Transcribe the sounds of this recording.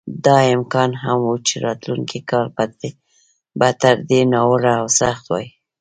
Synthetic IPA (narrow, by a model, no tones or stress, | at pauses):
d̪ɑɪmkɑnɦamwut͡ʃeɾɑt̪luŋkikɑlpat̪e | bat̪aɾd̪enɑwəɽaːwsaxt̪wɑ̰ji